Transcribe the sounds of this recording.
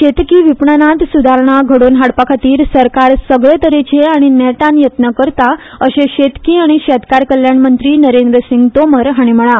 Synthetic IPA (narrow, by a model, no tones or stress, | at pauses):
ɕet̪kiːʋipɳanãt̪sud̪ʱaɾɳ̃aɡʱəɽonɦaɽpakʰat̪iːɾsəɾkaɾsəɡɭet̪əɾet͡ɕʰeaɽ̃inɛʈãnjət̪nəkəɾt̪a | əɕeɕet̪kiːaɽ̃iɕɛt̪kaɾkəljaɳmənt̪ɾiːnəɾend̪ɾəsiŋɡt̪oməɾɦaɽ̃im̤əɭa